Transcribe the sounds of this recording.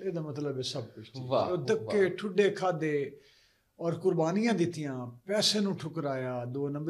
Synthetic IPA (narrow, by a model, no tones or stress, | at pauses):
eːd̪aːmət̪ləbɛːsəb̚kʊt͡ʃt͡ʃioːd̪əkːeːʈʰʊɖeːkʰaːd̪eː | ɔːɾkʊɾbaːnɪjãːd̪ɪt̪ːɪjãːpɛːseːnũːʈʰʊkəɾaːjaːd̪oːnə̃mb